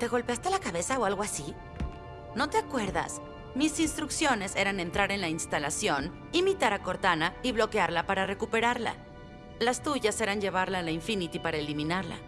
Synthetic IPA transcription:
t̪e̞ɣo̞lpe̞ast̪elakaβe̞saoalɣo̞asi | no̞t̪eakwe̞ɾða̰s | misinst̪ɾuksjo̞ne̞se̞ɾane̞nt̪ɾaɾe̞nlainst̪alasjo̞n | imit̪aɾako̞ɾt̪anaiβlo̞keaɾlapaɾare̞kupe̞ɾaɾla̰ | last̪uʝase̞ɾanɲʝe̞β̞aɾlalaiɱfinit̪ipaɾaelimĩnaɾla̰

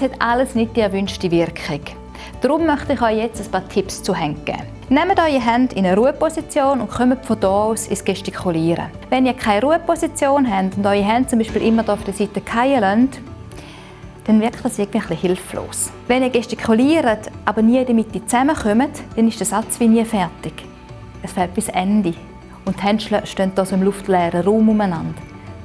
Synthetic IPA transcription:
ɛshɛtaləsnɪt̚d̥iɛɐvynʃtivɪʁkχɪk | d̥ʁʊmːœχtɪχɔʏjɛt͡səspaːɐtʰɪpst͡suɦɛŋkːə̰ | nɛmətɔʏiɦɛndɪnəʁuəpɔsit͡sjoːnʊntχœmətfɔdɔːuːsisɡ̥ɛʃtikʰuliːɾə̰ | vɛniːɐkʰaɪɾuːəpʰɔsit͡sjoːnɦɛndʊndɔʏiɦɛnt̚t͡sʊmbiːʃpiːlʔɪmːəʁdɔːʊfd̥əsitəkʰaɪəlœnt | d̥ɛnvɪɐkt̚aːsɪɐɡəndviəχlihɪlflo̰ːs | vɛniːɐɡ̥ɛʃtikʰuliːɾətʔabəniədəmitːiːt͡sɛməχœmətd̥ɛnɪʃd̥əsat͡svʋiniəfɛɐtɪɡ̥ | əsfɛlt̚b̥ɪsɛndi | ʊnthɛntʃləʃtœnt̚d̥ɔːsoɪmluftlɛːɾəʁuːmʊmənand̥

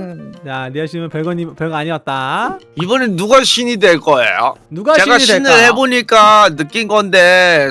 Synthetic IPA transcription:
janeɕʰimjʌnpjeɡʌɲimpjʌɭɡʌaɲiʌt̚t͈a | ibʌnɯnːuɡaɕʰinidwe̞ɭk͈ʌḛjo̰nuɡat͡ɕe̞ɡainɯɭhe̞boɲik͈anɯk͈inɡʌnde̞

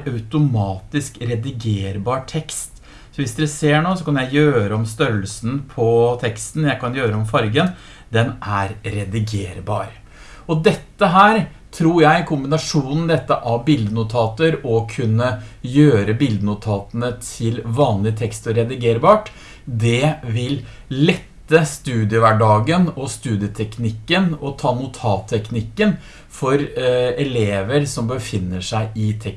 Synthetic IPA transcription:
ɑʉt̪ʊmɑːt̪ɪskɾɛd̪ɪɡeːɾbɑːʈʰɛkst̪ | sɔʋɪsd̪ɛseːɳoːsɔkʰɑnjæɪjøːɾəɔmst̪œɾəlsn̩pʰɔt̪ʰɛkst̪n̩jæɪkɑnjøːɾəɔmfɑɾɡən | d̪ɛnʔæɾɾɛd̪ɪɡeːɾbɑ̰ːɾ | ɔd̪ɛt̪ːəɦæːɾ | t̪ʰɾuːɾjæɪkʰʊmbɪnɑʂuːnn̩d̪ɛt̪ːəʔɑʋbɪld̪ənʊt̪ʰɑːt̪əɾɔkʰʉnːəjøːɾəbɪld̪ənʊt̪ʰɑːt̪ənət̪ʰɪlʋɑːnlɪt̪ʰɛkst̪ɔɾɛd̪ɪɡeːɾbɑːʈ | d̪ɛʋɪl | lɛt̪ːəst̪ʉːd̪ɪəʋæɖɑːɡənɔst̪ʉːd̪ɪət̪ʰɛknɪkːənɔt̪ʰɑːnʊt̪ʰɑːt̪ʰːɛknɪkːən | fɔɾɛleːʋəɾsɔmbəfɪnːəʂæɪʔɪt̪ʰɛk

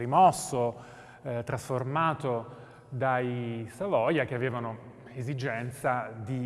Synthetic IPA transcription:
rimɔsːo | t̪ɾasformaːt̪o | d̪ajsavɔjak̟eaveːvano | ezid͡ʒɛnt̪sad̪i

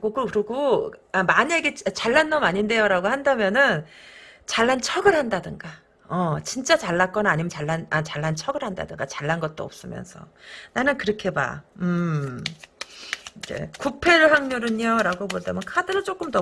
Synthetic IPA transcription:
ɡokɯkɯɾɯɡoamaɲeɡet͡ɕt͡ɕaɭːanːʌmaɲinde̞joɾaɡohandamjʌnɯn | t͡ɕaɭːant͡ɕʰʌɡɯɾhandadɯŋɡa | ʌt͡ɕint͡ɕ͈at͡ɕaɭːak͈ʌnaːɲimjʌnt͡ɕaɭːanat͡ɕaɭːant͡ɕʰʌɡɯɾhanda̰dɯŋɡat͡ɕaɭːanɡʌt̚t͈o̰ʌp̚s͈ɯmjʌ̰nsʰʌ̰nanɯnkɯɾʌkʰe̞ba̰ɯ | id͡ʑḛkupʰe̞ɾɯɭɦaŋɲoɾɯɲoɾaɡobodamjʌnkʰadɯɾɯɭt͡ɕ͈ok͈ɯmtʌ

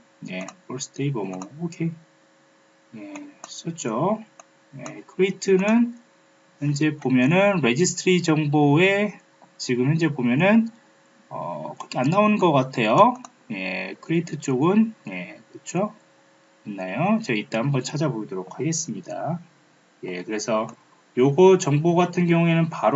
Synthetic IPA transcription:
ne̞pʌɭs͈ʰɯ̥tʰeibʌmʌokʰe̞ | je̞s͈ʌt͡ɕ͈o | je̞̰kʰɯɾeitʰɯnɯn | jʌnd͡ʑe̞pomjʌnɯnɾe̞d͡ʑisʰtʰɯɾid͡ʑʌŋboe̞ | t͡ɕiɡɯmjʌnd͡ʑebomjʌnɯn | ʌ̰kɾʌkʰeanːaonɯnɡʌk͈atʰe̞jo | je̞̰kʰɯɾeitʰɯt͡ɕ͈oɡɯnje̞kɯt͡ɕʰo | anːajot͡ɕʌit͈ahambʌnt͡ɕʰad͡ʑaboɭdoɾok̚ʰhaɡes͈ɯmɲida̰ | je̞kɯɾe̞sʰʌ | joɡʌt͡ɕʌŋboɡatʰɯnɡjʌŋue̞nɯnpaɾ

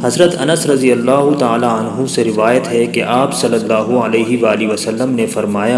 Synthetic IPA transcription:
hɐzɾət̪ɐnəsɾɐd̪ijəlːaːɦʊt̪aːlaɐnɦũseɾɪʋaːjət̪ɦɛkeʔaːpsɐlːəlːaːɦuɐleːɦiʋaːliʋɐsɐlːəmnefɐɾmaːja

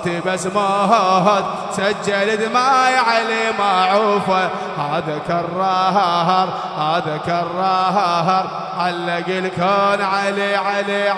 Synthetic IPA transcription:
t̪ibasmaɦɑɦɑt̪ | sad͡ʒːalɪd̪majʕalemaʕufa | had̪akɑrˤːɑːɦɑɦɑɾˤ | haːd̪akɑrˤːɑɦɑɦɑɾˤ | ʕalːaɡɪlkaːnʕaleʕale

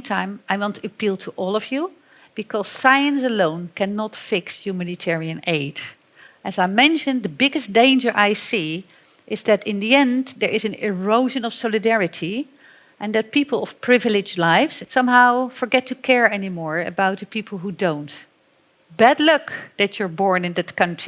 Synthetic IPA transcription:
tʰãɪ̃maɪmõntɨpilˠtʰəʔɔlˠɔvju | b̥ɨkʰɔz̥saɪɨ̃nsəlõʊ̃nkʰɛ̃nːɑtfɪksjʉmænɨtʰɛɹiɨ̃neɪd | ʔɨzaɪmɛ̃nʃɨ̃nðəbɪɡɨsd̥ẽɪ̃nd͡ʒə˞ʔaɪsi | ʔɪzðɨɾɪ̃nðiɛ̃nðəɹɪzɨ̃nɪɹoʊʒɨ̃nɔv̥sɔlˠɨdɛɹɨtʰi | ʔɨ̃nðɨt̚pipl̩ˠʌv̥pʰɹ̥ɪvɪlˠɪd͡ʒlaɪfssʌ̃mɦaʊfə˞ɡɛtʰukʰɛɹɛnimɔɹɨ̰baʊt̪̚ðəpʰipʰl̩ˠɦudõʊ̃nt | b̥ædˡlʊkðɨt͡ʃə˞bɔɹnɨ̃nðɨtkʌ̃ntʰɹ̥i

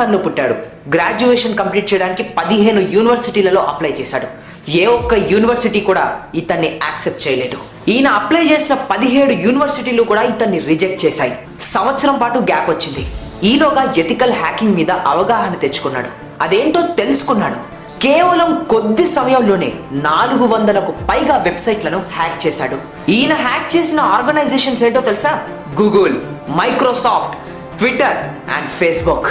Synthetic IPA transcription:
aːɾloːpuʈːaːɽu | ɡɾaːd͡ʒuʋeːʂɐnkɐmpliːʈ̚t͡ʃɛjɐɽaːnikipɐd̪iɦe̞ːnujuːniʋɐɾsiʈiːlɐlo̞̰ːʔɐplɐjt͡ʃɛːsa̰ːɽu | eːɔkːɐjuːniʋɐɾsiʈiːkuːɽa̰ːit̪ɐnːiaːksep̚ʈt͡ʃɛːjɐle̞ːd̪u | iːnɐɐplɐjt͡ʃe̞ːsinɐpɐd̪iɦe̞ːɽujuːniʋɐɾsiʈiːluːkuːɽaːit̪ɐnːiɾid͡ʒek̚ʈ̚t͡ʃɛːsaːji | sɐmʋɐt̪sɐɾɐmpaːʈuɡaːpʋɐt͡ʃːind̪i | iːlɔːɡaːet̪ikɐlɦaːkiŋɡmiːd̪ɐʔɐʋɐɡaːɦɐnɐt̪e̞t͡ʃːu̥kunːa̰ːɽu | ɐd̪e̞ːɳʈo̞ːt̪e̞lusu̥kunːaːɽṵ | keːʋɐlɐmkod̪ːisɐmɐjɐmlo̞ːne̞̰ːnaːluɡuʋɐnd̪ɐlɐkupɐjɡaːʋe̞bsɐjʈlɐnuhaːk̚t͡ʃɛːsaːɽu | iːjnɐɦaːk̚t͡ʃeːsinɐaːɾɡɐnɐjd͡ʒeːʂɐnseːɳʈoːt̪elsaː | ɡuːɡulmɐjkɾoːsaːpʰʈ | ʈʋiʈːɐɾ | ɐ̰ɳɖpʰeːsbuk

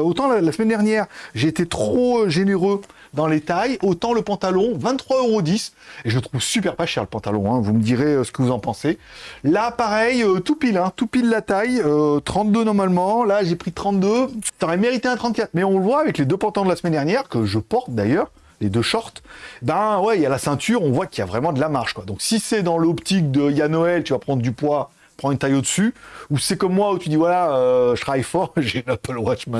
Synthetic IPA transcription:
ot̪ɑ̃lalasəmɛnd̪ɛʁnjɛːʁʒeːt̪et̪χoʒeneʁø | d̪ɑ̃let̪ajot̪ɑ̃ləpɑ̃t̪alɔ̃vɛ̃nt̪t̪ːχwaøʁod̪is | eʒəmət̪χuvsypɛʁpaʃɛʁləpɑ̃t̪alɔ̰̃ɛ̃vuməd̪iʁeøsə̥kəvuzɑ̃pɑ̃selapaʁɛjøt̪upilɛ̃t̪upilːat̪ajøt̪χɑ̃t̪̚d̪ønɔʁmalmɑ̃laʒepχit̪χɑ̃t̪̚d̪øt̪ɔʁɛmeʁit̪eɛ̃t̪χɑ̃t̪̚kat̪χmɛɔ̃ləvwaːvɛkled̪øpɑ̃t̪ɑ̃d̪əlasmɛnd̪ɛʁnjɛʁkəʒəpɔʁt̪̚d̪ajœʁ | led̪øʃɔʁt̪bɛ̃wɛjalasɛ̃t̪ʰyʁɔ̃vwakʲiljavʁɛmɑ̃d̪əlamaʁʃkwad̪ɔ̃ksisɛd̪ɑ̃lɔpt̪ik̚d̪əjanɔɛlt̪yvapχɑ̃d̪ʁəd̪ypwa | pχɑ̃ynt̪ajod̪əsyusɛkɔmːwaut̪yd̪ivwalaøʃχajfɔʁʒelapalwat͡ʃma

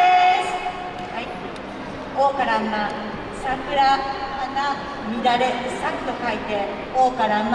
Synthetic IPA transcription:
esɨ̥ | hai | oːkaɾamːa | sakɯ̟ɾaːna | mid̪aɾesakɯ̥t̪okait̪e̞ | oːkaɾamː

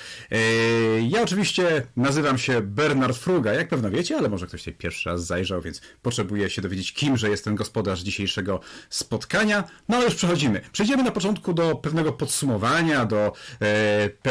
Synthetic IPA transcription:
jaɔt͡ʂɘvʲiɕt͡ɕɛnazɘvamɕɛbɛɾnaɾt̪fɾuɡajak̚pɛvnɔvʲjɛt͡ɕɛalɛmɔʐɛkt̪ɔɕt̪ɛjpʲjɛɾfʂɘɾa̰zːajʐawvʲjɛntspɔtʂɛbujɛɕɛd̪ɔvʲjed͡ʑet͡ɕkʲimʐɛjɛst̪ːɛnɡɔspɔd̪aʐd͡ʑiɕejʂɛɡɔspɔt̪kaɲanɔalɛjuʂpʂɛxɔd͡ʑimɘpʂɛjd͡ʑɛmɘnapɔt͡ʂɔnt̪kud̪ɔpɛvnɛɡɔpɔt̪sumɔvaɲad̪ɔ | p

